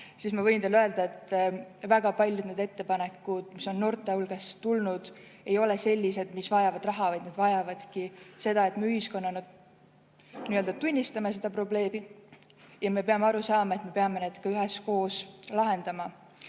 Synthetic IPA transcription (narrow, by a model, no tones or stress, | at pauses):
sismɑvɤjnd̪eløe̞ld̪̥ɑe̞t̪ːvæɡ̥ɑpɑlʲjud̪̥ned̪e̞t̪ːe̞pɑne̞kːˑud̪̥miso̞nːo̞rt̪ːˑeulɡ̥est̪ulnud̪̥ | e̞jo̞lese̞lʲːise̞d̪misvɑjɑvɑd̪rɑɦɑvɑjned̪̥vɑjɑvɑd̪̥kise̞d̪̥ɑe̞t̪meyhisko̞nːɑnu | niːøld̪̥ɑt̪unʲːist̪ɑme̞se̞d̪ɑpro̞ble̞ːmi | jɑme̞pe̞ɑmeɑɾusɑːmɑe̞t̪me̞pe̞ɑme̞ne̞ːd̪̥kɑyɦe̞sko̞ːslɑɦe̞nd̪̥ɑmɑ